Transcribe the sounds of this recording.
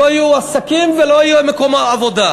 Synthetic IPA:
oajuasakimveloajuemekomaːvo̞d̪a

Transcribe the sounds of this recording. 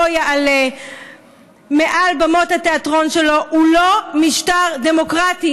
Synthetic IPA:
ojaale | meʔalbamo̞thateatʁo̞nʃe̞lo̞ʔulo̞miʃtaʁd̪e̞mo̞kʁati

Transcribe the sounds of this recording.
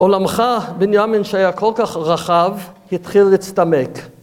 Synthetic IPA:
ʔolamχabenjaminʃeajakʰolkaχʁaχavhit̪χilːit͡st̪amek

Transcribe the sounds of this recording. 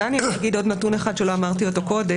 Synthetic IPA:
anjaɡido̞dnatuneχad̥̪ʃelo̞amaʁt̬io̞to̞ko̞de

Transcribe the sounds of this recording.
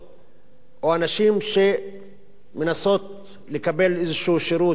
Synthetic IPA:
ʔoanaʃimʃe | menasot̪ | lekabelezʃuːʃeɾuː

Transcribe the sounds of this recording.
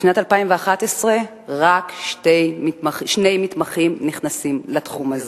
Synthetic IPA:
bi̥ʃnatalpaimveaχatesʁe̞ | ʁakʃtejmitmaχiʃne̞jmit̪maχimniχnasimlat̪χumaze

